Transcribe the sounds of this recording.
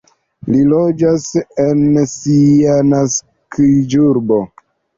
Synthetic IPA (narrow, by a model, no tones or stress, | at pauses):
lilod͡ʒasensianas | kid͡ʒuɾbo̞